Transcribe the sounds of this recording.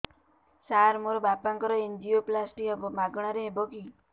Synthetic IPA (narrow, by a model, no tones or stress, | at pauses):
saɾmoɾobapaŋkɔɾɔend͡ʒioplasʈiɔbmaɡɽ̃aɾebʱoki